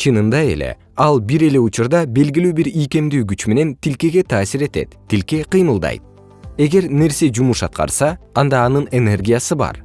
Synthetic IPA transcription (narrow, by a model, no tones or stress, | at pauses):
t͡ʃʰɯnɯnd̪ɑe̞̰lʔe̞̰ | ɑlˠbiɾe̞le̞ut͡ʃuɾd̪ɑbe̞lɡilyːbiɾijke̞md̪yːɡyt͡ʃme̞ne̞nt̪ilke̞ɡe̞t̪ʰɑːsiɾe̞t̪e̞̰t̪ːilke̞qɯjmɯlˠd̪ɑ̰jt̪̚ | e̞ɡe̞ɾne̞ɾse̞d͡ʒumuʃɑ̰t̪̚qɑ̰ɾsɑːnd̪ɑːnɯne̞ne̞rɡʲijasɯbɑ̰ɾ